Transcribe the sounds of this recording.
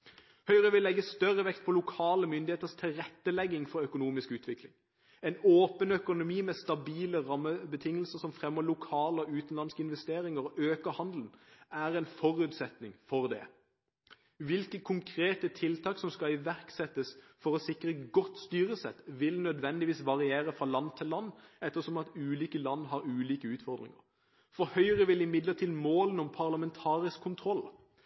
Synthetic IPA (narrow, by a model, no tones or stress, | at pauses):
hœʏʁəʋɪlɛɡːəst̪œʁəʋɛkt̪̚pʰɔlʊkʰɑːləmʏnd̪ɪheːt̪əst̪ʰɪlʁɛt̪ːəlɛɡːɪŋfɔɾœkʊnuːmɪskʉːt̪ʰʋɪklɪ̰ŋ | ɛɪnoːpənœkʊnʊmiːmɛst̪ɑbiːləʁɑmːəbət̪ʰɪŋːəlsəsɔmfʁɛmːɔlʊkʰɑːləɔʉːt̪n̩lɑnskəɪnʋɛst̪eːɾɪŋəɾɔʔøːkəhɑnd̪lən̩æʁɛɪnfɔʁʉːt̪sɛt̪nɪŋfɔʁd̪ɛ̰ | ʋɪlkəkʰʊŋkʰʁeːt̪ət̪ʰɪlt̪ʰɑːksɔmskɑɪʋæʁksɛt̪ːəs | fɔʁɔsɪkʁəɡɔt̪ːst̪yːɾəsɛ̰t̪ʋɪlnœd̪ʋɛnd̪ɪʋiːsʋɑʁɪeːʁəfʁɑlɑnːt̪ʰɪlːɑnːɛt̪ːəʁsɔmɑt̪ʉːliːkəlɑnːɦɑɾʉːliːkəʉːt̪fɔʁd̪ʁɪ̰ŋə̰ʁ | fɔɾhœʏəʁəʋɪlɪmɪd̪ləʁt̪ʰiːd̪moːlənɔmpʰɑʁlɑmɛnt̪ʰɑːʁɪskʰːʊnt̪ʰɾɔlː